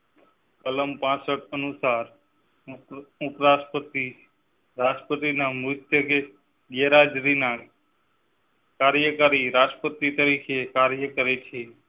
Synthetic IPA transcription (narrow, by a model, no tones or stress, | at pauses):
kələmpãsəʈənusaɾ | upɾaspət̪i | ɾad͡ʒpət̪inamut̪ʰjəɡe | ɡeɾad͡ʒɾina | kaɾjəkaɾiɾad͡ʒʈpət̪ːit̪əɾikʰekaɾjəkəɾet͡ʃʰe